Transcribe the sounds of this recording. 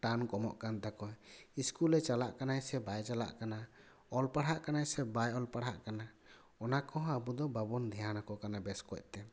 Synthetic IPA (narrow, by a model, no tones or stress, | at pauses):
ʈankɔmɔ̰ʔkant̪akɔiskulɛt͡ʃalaʔkanajsɛbajt͡ʃala̰ʔkana | ɔlpaɽɦaʔkanajsɛbajɔlpaɽɦaʔkana | ɔnakɔɦɔ̃abud̪ɔbabɔnd̪ʱɛjanakɔkanabɛskɔc̚ˀt̪ɛ